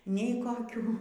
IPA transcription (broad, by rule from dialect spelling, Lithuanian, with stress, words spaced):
nʲɛɪ koːˈkʲuː